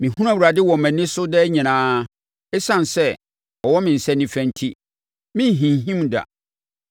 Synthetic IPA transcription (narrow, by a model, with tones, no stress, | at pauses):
mĩ˨hũ˦ɾ̃ã˦˨wu˨ɾa˨dɪ˦wɔ˨mæ̃˨nɪ̃˦sʊ˦dɛ˦ɲĩ˨nãː˦ | ɛ˦sã˨nsɛ˦ | ɔ˨wɔ˦mɪ̃˨n̩˨sɛ˦nːĩ˨fæ̃˦n˦tʰi˦ | mɪ̃˦n˨ɦĩ˨n˨ɦĩ˦mda̰˨